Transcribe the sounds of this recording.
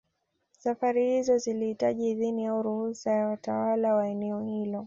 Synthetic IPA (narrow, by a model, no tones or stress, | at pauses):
safaɾihizɔzilihitaʄiːðinijauɾuhusajawatawalawaɛnɛɔhilɔ